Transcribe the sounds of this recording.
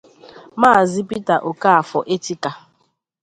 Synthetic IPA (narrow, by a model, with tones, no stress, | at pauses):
maː˦˨zi˦pi˦ta˨ʔo˨ka˦a˨fɔ˨ʔe˦ti˦ka˨